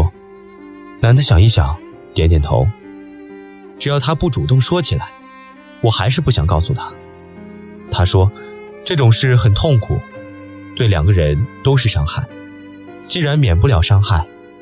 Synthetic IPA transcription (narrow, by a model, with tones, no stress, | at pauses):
na˧˥nd̪ə˧ɕjɑ˨˩ŋi˥˩ɕjɑ̰˨˩˦ŋ | t̪jɛ˧˥nt̪jɛ˨˩nt̪ʰo̰˧˥ʊ | ʈ͡ʂɻ̩˨˩jɑ˥˩ʊt̪ʰa˥pu˥˩ʈ͡ʂu˨˩t̪ʊ˥˩ŋʂwɔ˥t͡ɕʰi˨˩la̰˧˥ɪ | wɔ˨˩xa˧˥ɪʂɻ̩˥˧pu˥˩ɕjɑ˨˩ŋkɑ˥˧ʊsu˨˩t̪ʰa˥ | t̪ʰa˥ʂwɔ˥ | ʈ͡ʂɤ˥˩ʈ͡ʂʊ˨˩ŋʂɻ̩˥˩xə˨˩nt̪ʰʊ˥˩ŋkʰu˨˩ | t̪we˥˩ɪljɑ̰˨˩ŋɡə˧˦ɻə˧˥nt̪o˥ʊʂ̬ɻ̩˥˩ʂɑ˥ŋxa˥˩ɪ | t͡ɕi˥˩ɻa˧˥nmjɛ˨˩np̬u˥ljɑ˨˩ʊʂɑ˥ŋxa˥˩ɪ